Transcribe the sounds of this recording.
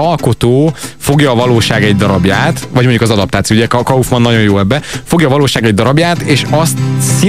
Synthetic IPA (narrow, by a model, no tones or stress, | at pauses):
ɒlko̞t̪oːfo̞ɡjɒːvɒloːʃaːɡɛɟd̪ɒɾɒbjaːt̪vɒɟmo̞ɲɟukɒzɒd̪ɒp̚t̪aːt̪siouɟɛkɒufʋɒnːɒɟo̞joːɛbːɛfo̞ɡjɒːvɒloːʃaːɡɛɟd̪ɒɾɒbjaːt̪eːʃɒst̪si